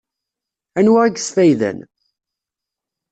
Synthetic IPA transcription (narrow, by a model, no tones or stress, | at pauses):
ænwaʁiɡsθæjðæ̰n